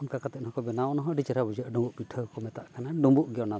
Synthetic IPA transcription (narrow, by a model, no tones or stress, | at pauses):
unkakat̪ɛt̪̚nɔɦɔkɔbɛnawnɔɦɔ̃ɖit͡ʃəɾabud͡ʒəʔɖɔ̃mbuʔbiʈʰəkɔmɛt̪aʔkanaɖubuʔɡɔna